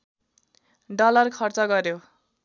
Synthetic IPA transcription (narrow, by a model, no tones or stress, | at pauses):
ɖʌlʌrkʰʌrt͡sʌɡʌrjo